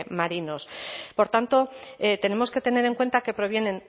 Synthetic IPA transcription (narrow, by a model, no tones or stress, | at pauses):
maɾino̞spo̞ɾt̪ant̪o̞et̪e̞ne̞mo̞ske̞t̪e̞ne̞ɾe̞ŋkwe̞nt̪ake̞pɾo̞β̞je̞nẽ̞n